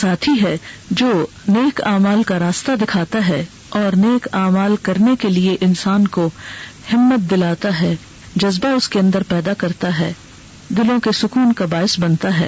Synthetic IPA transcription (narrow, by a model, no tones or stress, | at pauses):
saːt̪ʰiɦɛd͡ʒoː | neːkaːmaːlkaɾaːst̪ad̪ɪkʰaːt̪aɦɛ | ɔːɾneːkaːmaːlkɐɾnekelieʔɪnsaːnkohɪmːət̪̚d̪ɪlaːt̪aɦɛː | d͡ʒɐzbaʊskeɐ̃nd̪əɾpɛːd̪akɐɾt̪aɦɛː | d̪ɪlõkesʊkuːnkabaːɪsbɐnt̪aɦɛ̰ː